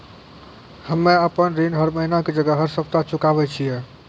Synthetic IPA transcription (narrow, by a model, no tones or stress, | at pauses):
həmːeəpənɾinɦəɾməɦinaked͡ʒəɡəɦəɾsəp̚t̪at͡ʃukaβɛt͡ʃʰijɛ